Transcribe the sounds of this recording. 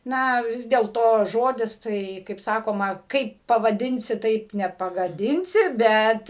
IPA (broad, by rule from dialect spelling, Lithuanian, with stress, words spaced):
ˈnɐ ˈʋʲɪs dʲeːlˠtoː ˈʒoːdʲɪs ˈtɐɪ kɐɪp ˈsɑːkoːmɐ ˈkɐɪp pɐʋɐˈdʲɪnʲsʲɪ ˈtɐɪp nʲɛpɐɡɐˈdʲɪnʲsʲɪ ˈbʲɛt